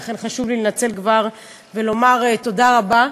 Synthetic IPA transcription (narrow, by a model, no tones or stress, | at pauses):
χenχaʃuvlilenat͡se̞lkvaʁ | velo̞maʁet̪o̞d̪aʁaba